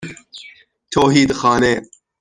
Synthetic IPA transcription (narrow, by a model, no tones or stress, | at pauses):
t̪ʰoːɦiːd̪xɑːneː